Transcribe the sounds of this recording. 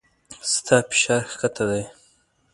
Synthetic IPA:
st̪ʰɑpɪ̥ʃɑːɾxkat̪ʰad̪aj

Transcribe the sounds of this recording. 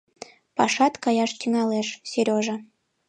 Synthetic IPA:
pɑʃɑt̪kɑjɑʃt̪yŋɑleʃseɾʲoʒe

